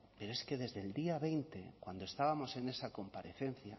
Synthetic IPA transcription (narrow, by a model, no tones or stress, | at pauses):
pe̞ɾoe̞ske̞ðe̞zðeld̪iaβe̞jnt̪e̞kwand̪oest̪aβamo̞se̞ne̞sako̞mpaɾe̞θe̞n̟θja